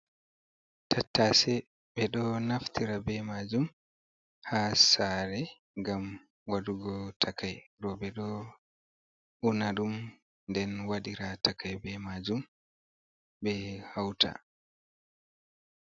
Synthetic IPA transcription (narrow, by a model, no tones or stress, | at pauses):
tʰatːasɛ | ɓɛɗɔnaftiɾabɛmad͡ʒum | hasaːɾɛ | ŋɡam | waduɡɔtʰakajɾɔɓɛɗɔ | ʔunaɗum | ndɛnwaɗiɾatakʰajbɛmad͡ʒum | bɛhawtʰa̰